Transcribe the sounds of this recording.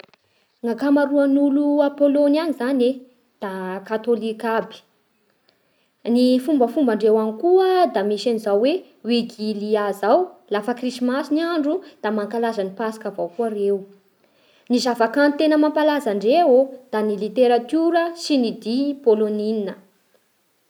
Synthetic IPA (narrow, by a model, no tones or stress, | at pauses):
ŋakamaɾuanuluapolonanizane | d̪̥akat̪olikabi̥ | nifumbəfumbaɳɖ͡ʐewanikuəd̪amisanizawwe | wiɡiliazawlafəkrisimasiniaɳɖ͡ʐud̪̥amaŋkalazanipasi̥kavawkuaɾew | nizavakanit̪enəmampalazaɳɖ͡ʐewod̪̥anilit̪eɾat̪uɾəsinid̪ipolonininə